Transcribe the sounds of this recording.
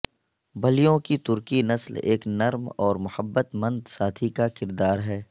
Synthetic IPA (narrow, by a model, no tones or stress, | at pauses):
bɐlijõkit̪ʊɾkinɐslḛːknɐɾmɔːɾmʊhəbːət̪mə̃nd̪saːt̪ʰikakɪɾd̪aːɾɦɛː